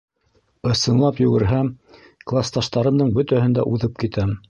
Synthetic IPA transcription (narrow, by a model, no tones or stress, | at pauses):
ɤ̆sɤ̆nlˠɑpjʉ̆ɡɘ̆ɾɦæ | klˠast̪ɑʃt̪ɑɾɤ̆md̪ɤɴbɵ̆t̪æhɘ̆nd̪æ̰ʔuðɤp̚kit̪æm